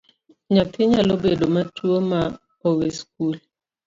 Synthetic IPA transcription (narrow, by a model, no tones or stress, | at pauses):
ɲat̪ɪɲalobedomatwoma | owesk̚ul